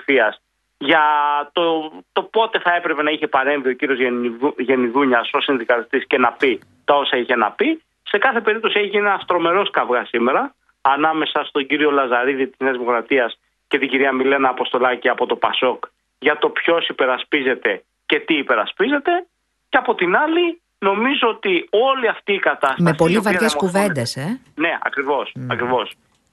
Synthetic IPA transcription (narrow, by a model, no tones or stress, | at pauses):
fiɐs | ʝɐt̪ot̪o̞po̞t̪e̞θɐe̞pɾe̞pe̞nɐiçe̞pɐɾe̞ɱvio̞ciɾio̞zʝe̞niðuɲɐso̞sinðikɐist̪isce̞nɐpi | t̪ɐo̞sɐiçe̞nɐpi | se̞kɐθe̞pe̞ɾip̚t̪o̞sieçienɐst̪ɾo̞me̞ɾo̞skɐvɣɐsime̞ɾɐː | nɐme̞sɐst̪o̞ɲɟiɾio̞lɐzɐɾiðit̪i̥sneɐzðimo̞kɾɐt̪iɐs | ce̞t̪iɟiɾiɐmile̞nɐːpo̞st̪o̞lɐciɐpo̞t̪o̞pɐ̰so̞k | ʝɐt̪o̞pço̞sipe̞ɾɐspize̞t̪e̞ | ce̞t̪iːpe̞ɾɐspize̞t̪e̞ | ceɐpo̞t̪inɐli | no̞mizo̞ot̪io̞liɐft̪iːkɐt̪ɐstmespo̞livɐʝeskuve̞nd̪ese | ne̞ɐ̰kɾivo̞sɐkɾivo̞s